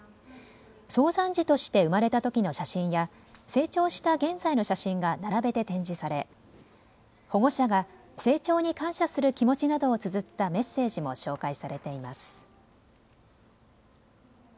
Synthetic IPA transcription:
so̞ːzãɲd͡ʑit̪o̞ɕi̥t̪e̞ɯ̟maɾe̞t̪at̪o̞kʲino̞ɕaɕĩɰ̃ja | se̞ːt͡ɕo̞ːɕi̥t̪aɡẽ̞nzaino̞ɕaɕĩŋɡanaɾabe̞t̪e̞t̪ẽ̞ɲ̟d͡ʑisaɾe̞ | ho̞ɡo̞ɕaɡa | se̞ːt͡ɕo̞ːɲ̟ikãɰ̃ɕasɨɾɯ̟kʲimo̞t͡ɕinad̪o̞ːt͡sɨzɨt̪ːame̞sːe̞ːʑimo̞ɕo̞ːkaisaɾe̞t̪e̞imasɨ̥

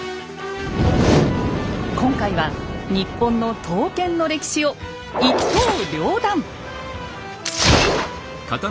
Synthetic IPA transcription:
kõ̞ŋkaiβaɲ̟ipːõ̞nːo̞t̪ʰo̞ːkẽ̞nːo̞ɾe̞kʲi̥ɕio̞ | ioːɾʲo̞ːd̪ãŋ | kat̪

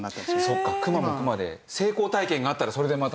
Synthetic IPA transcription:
so̞kːakɯ̟mamokɯ̟mad̪e̞̰ | se̞ːko̞ːt̪aikẽ̞ŋɡaːt̪ːaɾaso̞ɾe̞d̪e̞mat̪a

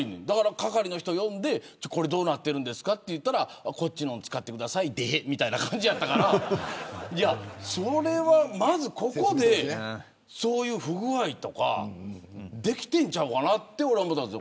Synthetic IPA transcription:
ined̪akaɾakakaɾʲino̞çi̥t̪o̞jõ̞nd̪e̞ | t͡ɕako̞ɾe̞d̪o̞ːnat̪ːe̞ɾɯ̟nd̪e̞sɨ̥kat̪ːe̞jɯ̟t̪ːaɾako̞t͡ɕːinõ̞nt͡sɨ̥kat̪ːe̞kɯ̟d̪asaid̪emʲit̪ainakãɲ̟d͡ʑijat̪ːakaɾa | jaso̞ɾe̞βamazɨko̞ko̞d̪e̞ | so̞ːjɯ̟ːɸɯ̟ɡɯ̟βait̪o̞ka̰ | d̪e̞kʲi̥t̪ẽ̞ɲ̟t͡ɕaɯkanat̪ːeoɾambot̪aso

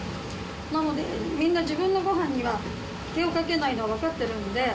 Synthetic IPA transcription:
nano̞d̪e̞mʲĩnːad͡ʑibɯ̟̃nːo̞ɡo̞ɦãɲ̟ːiβa | ke̞o̞kake̞naino̞βaβ̞akat̪ːe̞ɾɯ̟no̞d̪e̞

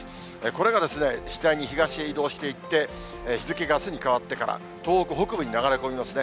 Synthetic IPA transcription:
eko̞ɾe̞ɡad̪e̞sɨne̞ʑid̪aiɲ̟içiɡaɕieid̪o̞ːɕi̥t̪e̞it̪ːe̞ | çizɨke̞ɡasɨɲ̟ikaβat̪ːe̞kaɾa̰ | t̪o̞ːokɯ̟ɦokɯ̟bɯ̟ɲ̟inaɡaɾe̞t̪oːimasɨne̞

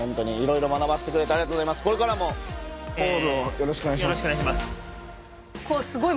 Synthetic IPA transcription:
õ̞nt̪o̞ɲ̟iːɾo̞iɾo̞manabaɕi̥t̪e̞kɯɾe̞t̪eaɾiat̪ozaimasɨ̥ko̞ɾe̞kaɾamo̞ | oɾojo̞ɾoɕi̥kɯonaiɕjiak̪aɕimas | kosɨɡoi

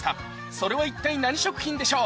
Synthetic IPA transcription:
t̪a | so̞ɾe̞βait̪ːainaɲ̟iɕo̞kɯ̟̥çʲĩnd̪e̞ɕo̞ː

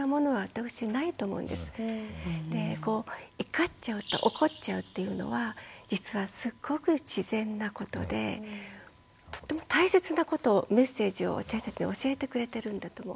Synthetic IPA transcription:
omo̞no̞βaβat̪akɯ̥ɕinait̪o̞ːmo̞̰ɯ̟̰̃nd̪e̞sɨ̥ | d̪e̞ko̞ːikat͡ɕaɯ̟t̪o̞̰ʔoko̞tt͡ɕaɯ̟t̪ːe̞jɯ̟no̞̰βad͡ʑit͡sɨβasɨɡ̥ːo̞kɯ̟ɕizẽ̞nːako̞t̪o̞̰d̪e̞̰ | t̪o̥t̪ːemo̞t̪aise̞t͡sɨnako̞t̪o̞me̞sːe̞ːʑio̰βa̰t̪aɕi̥t̪at͡ɕiɲ̟ḭo̞ɕie̞t̪ekɯ̟ɾe̞t̪e̞ɾɯ̟̃nd̪at̪omo

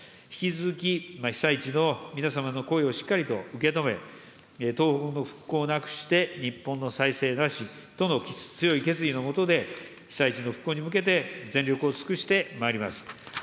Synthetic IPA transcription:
çi̥kʲit͡sɨzɨkʲimaçi̥sait͡ɕino̞mʲinasamano̞ko̞eo̞ɕi̥kːaɾʲit̪o̞ɯ̟ke̞t̪o̞me̞̰ | t̪o̞ːhokɯno̞ɸɯ̟̥kːo̞ːnakɯ̟̥ɕi̥t̪e̞ɲ̟ipːõ̞nːo̞saise̞ːnaɕi | t̪o̞no̞kt͡sɨjo̞ike̞t͡sɨɾʲino̞mo̞t̪o̞d̪e̞ | çi̥sait͡ɕino̞ɸɯ̥kːo̞ːɲ̟imɯ̟ke̞t̪̬e̞zẽ̞nɾʲjo̞kɯo̞t͡sɨ̥kɯɕi̥t̪e̞maeɾʲimasɨ̥

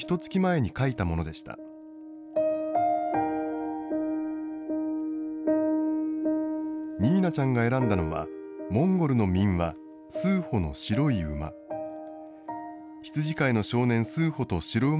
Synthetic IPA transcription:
çi̥t̪o̞t͡sɨ̥kʲimae̞ɲ̟ikait̪amo̞no̞d̪e̞ɕi̥t̪a̰ | ɲʲiːnat͡ɕãŋɡae̞ɾãnd̪ano̞βa̰mõ̞ŋɡo̞ɾɯ̟no̞mʲĩɰ̃βa | sɨːhono̞̰ɕiɾo̞iɯ̟ma̰ | çi̥t͡sɨʑikaino̞ɕo̞ːnẽ̞ɰ̃sɨːho̞t̪o̞ɕiɾoɯ

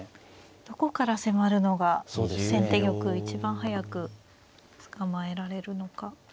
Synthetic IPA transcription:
d̪̥o̞ko̞kaɾase̞maɾɯ̟no̞ɡasod̪esẽ̞nt̪e̞ɡʲo̞kɯ̟it͡ɕibãɰ̃ɦajakɯ̟ | t͡sɨ̥kamae̞ɾaɾe̞ɾɯ̟no̞ka

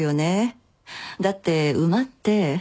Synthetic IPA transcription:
jo̞ne | d̪at̪ːe̞ɯ̟mat̪ːe̞

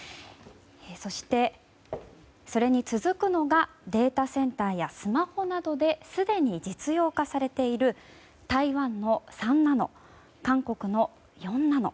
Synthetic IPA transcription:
so̞ɕi̥t̪e̞ | so̞ɾe̞ɲ̟it͡sɨzɨkɯ̟no̞ɡa | d̪e̞ːt̪asẽ̞nt̪aːjasɨmaho̞nad̪o̞d̪e̞sɨd̪e̞ɲ̟id͡ʑit͡sɨjo̞ːkasaɾe̞t̪e̞iɾɯ̟ | t̪aiβãnːo̞sãnːano̞̰ | kãŋko̞kɯ̟no̞ | jõ̞nːano̞̰

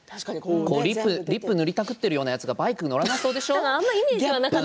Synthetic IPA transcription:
koːɾʲiːɯɾʲipːɯ̟nɯɾʲit̪akɯ̟t̪ːe̞ɾɯjo̞ːnajat͡sɨɡabaikɯno̞ɾanaiso̞ːd̪e̞ɕo̞ːãmːaimʲid͡ʑieβanak

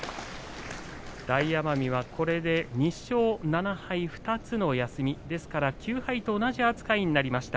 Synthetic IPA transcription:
d̪̥aijamamʲiβ̞akʰo̞ɾe̞d̪e̞ɲ̟iɕo̞ːnanahaiɸɯ̟̥t̪at͡sɨno̞jasɨmʲid̪e̞sɨ̥kaɾakʲɨːhait̪o̞ːnaʑiat͡sɨ̥kaiɲ̟inaɾʲimaɕi̥t̪a

